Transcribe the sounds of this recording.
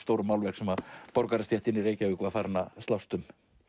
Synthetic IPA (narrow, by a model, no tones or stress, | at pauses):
st̪oːwɾʏmːawlvɛhksɛmapɔɾkaɾast̪jɛht̪ɪnːiɾeːjcaʏːkvafaɾnast̪lawst̪ʏm